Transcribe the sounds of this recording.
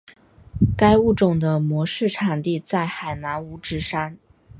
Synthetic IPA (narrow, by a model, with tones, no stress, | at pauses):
ka˥ɪu˥˩ʈ͡ʂʊ˨˩ŋd̪ə˦mwɔ˧˥ʂɻ̩˥˩ʈ͡ʂʰa˨˩nt̪i˥˧t͡sa˥˩ɪxa˨˩ɪna˧˥nu˧˥ʈ͡ʂɻ̩˧˥ʂa˥n